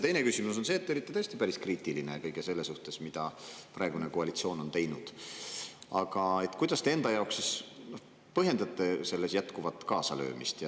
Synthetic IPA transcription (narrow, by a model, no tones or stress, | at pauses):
t̪e̞jnekysimus̬o̞nse̞ːt̪ːeo̞lit̪ːˑet̪ɤest̪ipæɾiskriːt̪ˑilinekɤjɡese̞lːesuht̪e̞smid̪̥ɑpɾɑˑeɡunekoɑlit̪sio̞ːno̞nt̪e̞jnud̪̥ | ɑɡ̥ɑe̞t̪ːˑkujd̪ɑst̪e̞e̞nd̪ɑjɑoksisno̞h | pɤɦje̞nd̪ɑt̪ːˑe̞se̞lːe̞sjæt̪kuvɑt̪ːˑkɑːsɑlø̞̰ːmist̪jɑ